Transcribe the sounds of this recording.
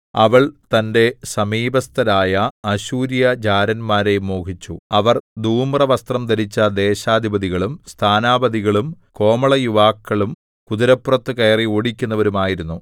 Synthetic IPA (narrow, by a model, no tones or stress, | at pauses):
ɐʋɐɭt̪ɐnde̞sɐmiːbɐst̪ʰɐɾaːjɐɐɕuːɾjɐd͡ʑaːɾɐnmaːɾejmːoːkʰit͡ɕːuɐʋɐrd̪uːmrɐʋɐst̪rɐmd̪ɐɾit͡ɕːɐd̪e̞ːɕaːd̪ʱibɐðiɣɐɭumst̪ʰaːnaːbɐd̪iɣɐɭumko̞ːmɐɭɐjuʋaːkːɐɭum | kud̪iɾɐpːurɐt̪ːɨkeːrioːɽikʲːunːɐʋɐɾumaːjiɾunːu